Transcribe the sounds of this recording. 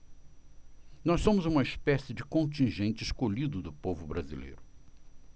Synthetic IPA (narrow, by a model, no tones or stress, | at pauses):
nɔssõmʊzũmɐispɛsɪd͡ʒɪkõnt͡ʃĩʒẽnt͡ʃɪːskoʎid̪ʊd̪ʊpovʊbɾazḭlḛjɾʊ